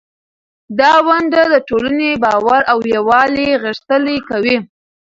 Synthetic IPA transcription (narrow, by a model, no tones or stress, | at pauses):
d̪ɑwaɳɖad̪əʈolanebɑwaɾawjawɑleɣəʂt̪əlekawi